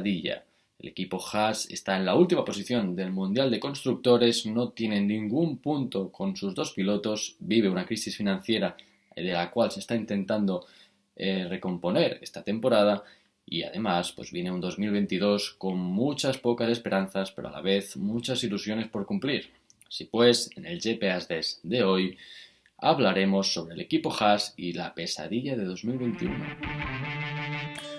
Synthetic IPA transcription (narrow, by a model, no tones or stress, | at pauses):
ðiʎa̰ | e̞̰le̞̰kipo̞xase̞̰st̪ae̞nlault̪imapo̞siθjo̞nd̪e̞lmũnd̪jald̪e̞ko̞nst̪ɾuk̚t̪o̞ɾe̞zno̞t̪je̞ne̞nːĩŋɡumpunt̪o̞ko̞nsuzðo̞spilo̞t̪o̞zbiβ̞e̞unakɾisisfinãnθje̞ɾa | ðe̞lakwalse̞st̪aint̪ẽ̞nt̪and̪o̞ | ere̞ko̞mpo̞ne̞ɾe̞̰st̪at̪e̞mpo̞ɾað̞a | ḭa̰ðe̞maspwe̞zβje̞ne̞und̪o̞zmilβ̞e̞nt̪iðo̞sko̞ŋmut͡ʃaspo̞kase̞spe̞ɾʔan̟θaspe̞̰ɾoa̰la̰βe̞θmut͡ʃasilusjo̞ne̞spo̞ɾkumpliɾ | sipwe̞se̞ne̞lʝe̞pe̞azðezd̪e̞o̞j | a̰βlaɾe̞mo̞sːo̞β̞ɾe̞le̞kipo̞xasilape̞sa̰ðiʎað̞e̞ð̞o̞zmilβe̞nt̪iuno̰